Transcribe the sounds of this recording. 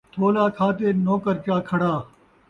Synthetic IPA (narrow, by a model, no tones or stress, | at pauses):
t̪ʰoːlaːkʰaːt̪eːnoːkəɾt͡ʃaːkʰɐɽaː